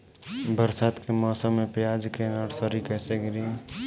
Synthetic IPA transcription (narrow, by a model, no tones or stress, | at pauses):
bəɾsaːt̪kemɔːsəmːẽpɪjad͡ʒkenəɾsəɾikɛːseɡɾi